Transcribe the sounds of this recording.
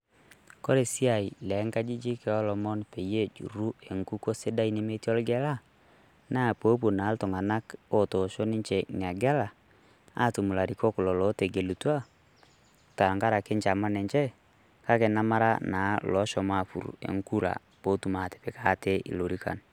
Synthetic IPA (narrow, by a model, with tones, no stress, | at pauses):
ko˦ɾe˨si˦a˨i˨lɛ˨˦ŋka˦d͡ʒi˦d͡ʒi˦kɛ˨ɔ˦lɔ˨mɔ˦npe˨je˦d͡ʒṵ˨ɾu˦e˨ŋku˦ko˦sɪ˦da˦i˦ne˦me˦ti˦ɔ˦lɡɛ˦la˦ | na˦˨po˨˦p̬u˨na˨˦ltʊ˨ŋa˨na˦ko˦to˨ʃo˦nɪ˦ɲt͡ʃe˨ŋ˨a˨ɡɛ˦la˨ | a̰˦˨tu˨mu˨la˨ɾi˨kɔ˦kʊ˨lɔ˨lɔ˨˦te˨ɡe˨lu˨tu˦a˦ | ta˨ŋɡa˦ɾa˨kɪ˦nt͡ʃa˨ma˦nɛ˨ɲt͡ʃɛ˦ | ka˦ke˨na˦ma˦ɾa˦naː˨˦lɔ˨˦ʃɔ˨ma˦˨fṵ˨ɾ̰ḛ˨ŋku˦ɾa̰˨ | po˨˦tu˨ma˨te̥˨pɪ˨kaː˨˦te˦ʔḭ˨lo˨ɾi˦ka̰˨n